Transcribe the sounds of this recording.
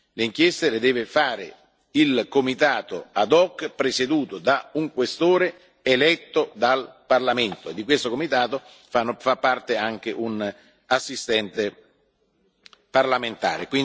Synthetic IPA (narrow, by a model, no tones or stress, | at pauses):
leiŋk̟jɛst̪elɪd̪ɛːvɪfaːɾḛ | ilkomit̪aːt̪oad̪ɔkːpɾesed̪uːt̪od̪auŋkwest̪oːɾe | elɛt̪ːod̪alparlament̪oed̪ːik̬west̪okomit̪aːt̪o | fafapːart̪eaŋk̟eʔun | asːist̪ɛnt̪e | parlament̪a̰ːɾekwi